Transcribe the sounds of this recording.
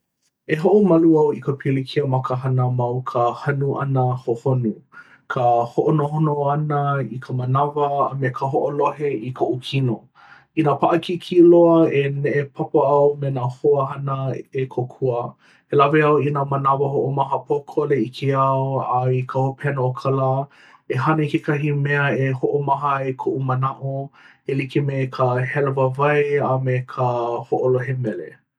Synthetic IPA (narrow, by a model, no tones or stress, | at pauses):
eɦoʔomɐluɐwikəpʰilikʰiəmɐkəɦɐnəmɐwkʰəhɐnuʔɐ̰nəhohonu | kʰəhoʔonoɦonoanəikʰəmənɐvɐ̰ːmekʰəɦoʔoloɦeikʰoʔukʰino | inapʰaʔɐkikʰiloəeneʔepʰapəɐwmenahoəhɐnəekʰokʰuə | helaviɐwinamɐnavɐɦoʔomɐɦəpʰokʰoleikʰeɐwaikʰaopʰɛnookʰala | eɦanəikekɐɦimɛəehoʔomɐɦəekʰoʔumɐnaʔo | elikimekʰəhɛlevəvajamekʰəhoʔoloɦemɛlḛ